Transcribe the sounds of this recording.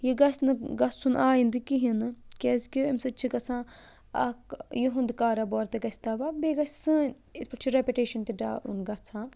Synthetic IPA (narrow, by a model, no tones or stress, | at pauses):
jiɡɐsʲnɨɡɐt͡sʰunaːjind̪ɨkiɦinɨkʲezkimsɨt͡ʃʰikɐt͡sʰãː | ɐ̰kjiɦũnd̪kaːɾabɔːɾt̪eɡɐsʲt̪aːʋabeːɡɐsʲsɨːn | it̪pɐt͡ʃʰiɾepʲiʈeːʃɐnt̪iɖa̰ːʔṵnɡɐt͡sʰãː